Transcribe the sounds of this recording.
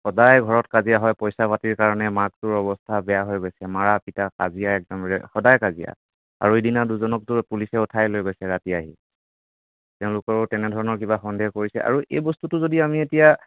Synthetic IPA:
xɔdajɡʱɔɹɔtkazijaɦɔjpɔjsapatiɹkaɹɔnɛmaktʊɹɔbɔstʰabɛjaɦojɡojsɛmaɹapitaka̰zijaɛk̚dɔmɹɛxɔdajkazija̰ | a̰ɹuedinaduzɔnɔk̚tʊɹpulisɛʊtʰajlojɡojsɛɹatiaɦi | tɛʊ̃lʊkɔɹʊtɛnɛdʱɔɹɔnɔɹkibaxɔndekoɹisɛ̰ʔa̰ɹuʔejbɔstutʊzodiamietija

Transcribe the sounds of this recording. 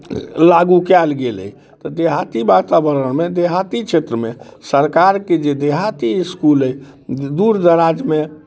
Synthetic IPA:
laɡukɛlɡelə̰j | t̪ɔd̪eɦat̪ibat̪abəɾənmed̪eɦat̪it͡ʃʰet̪ɾəmesəɾkaɾked͡ʒed̪eɦat̪iskuləj | d̪uɾd̪əɾad͡ʒme

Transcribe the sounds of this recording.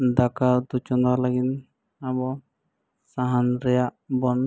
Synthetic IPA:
d̪akad̪ut͡ʃɔndalaɡin | abɔ | saɦanɾɛjaʔbɔn

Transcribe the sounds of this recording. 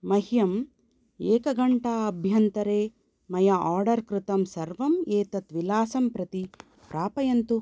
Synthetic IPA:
mɐɦjɐm | eːkɐɡɐɳʈaɐbʱjɐnt̪ɐɾeː | mɐjɐʔaːɾɖɐɾkɾɪt̪ɐmsɐɾʋɐmeːt̪ɐt̪ʋilaːsɐmpɾɐt̪i | pɾaːpɐjɐnt̪u

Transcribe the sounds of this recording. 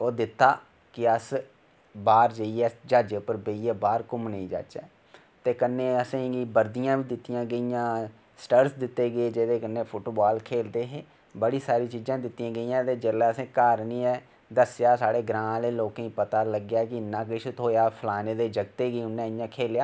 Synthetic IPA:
oːd̪ɪt̪ːaː | kɪəs | baːɾd͡ʒəiɛːd͡ʒaːd͡ʒeːpːəɾbeiːɛːbaːɾkʊmnəĩːd͡ʒa̰ːt͡ʃɛː | t̪eːkənːeːəsẽːɡiːbəɾd̪ijãːʋiːd̪ɪt̪ːijãːɡəijãː | sʈəɾsd̪ɪt̪ːeːɡeːd͡ʒeːd̪eːkənːeːpʰʊʈbaːlkʰeːld̪eːɦeː | bəɽiːsaːɾiːt͡ʃiːd͡ʒãːd̪ɪt̪ːjãːɡəijãːt̪eːd͡ʒeːlɛːəsẽːkaːɾnĩːɛː | d̪əsjaːsaːɽeːɡɾãːleːloːkːĩːpət̪aːləɡjaːkɪɪnːãːk̬ɪʃʊt̪oːjaːpʰəlaːneːd̪eːd͡ʒəɡt̪eːɡiːʊnːɛ̃ːɪjãːkʰeːljaː

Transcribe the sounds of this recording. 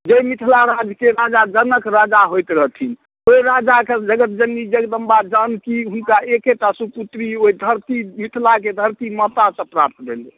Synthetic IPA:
d͡ʒemit̪ʰlaɾad͡ʒkeɾad͡ʒad͡ʒənəkɾad͡ʒaɦojt̪ɾəɦt̪ʰin | oiɾad͡ʒaked͡ʒəɡət̪̚d͡ʒənːid͡ʒeɡd̪əmbad͡ʒankiɦunkaekeʈasuput̪ɾioid̪ʱəɾt̪imit̪ʰlaked̪ʱəɾt̪imət̪asə̃pɾap̚t̪bʱele

